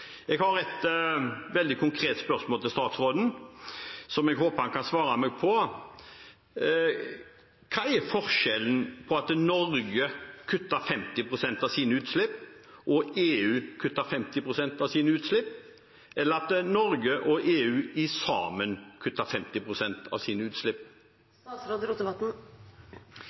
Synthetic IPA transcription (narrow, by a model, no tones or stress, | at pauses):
ɛɡhɑɾɛt̪ | ʋɛld̪ɪkʰʊŋkʰɾeːt̪spœʁsmoːlt̪ɪlst̪ɑːt̪sɾoːd̪n̩ | sɔmɛɡhoːpəhɑnkʰɑnsʋɑːɾɑmɛːɡ̚pʰɔ | kʰɑːɛɾfɔɾʂɛlənpʰɔɑt̪nɔɾɡəkʰʉt̪ːəɾfɛmt̪ɪpʰɾʊsɛnt̪ɑʋsiːnəʉːt̪slɪpːʔɔeːʉːkʰʉt̪ːɑfɛmt̪ɪpʰɾʊsɛnt̪ɑʋsiːnəʉːt̪slɪpː | ʔɛlːəɾɑt̪nɔɾɡəʔɔʔeːʉːɪsɑ̰ːmənkʰʉt̪ːɑfɛmt̪ɪpʰɾʊsɛnt̪ʰɑ̰ʋsiːnəʉːt̪slɪpː | sɾoːd̪əɾuːt̪əʋɑt̪n̩